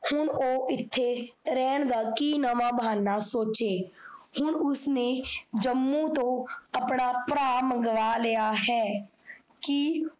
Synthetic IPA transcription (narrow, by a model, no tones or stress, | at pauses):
hʊnoːʔɪt̪ʰːeːɾɛːnd̪aːkiːnəʋãːbʱaːnːaːsoːt͡ʃeːhʊnʊsneːd͡ʒəmːũːt̪õːəpnaːpɾaːmə̃ŋɡʋaːlejaːɦɛː | ki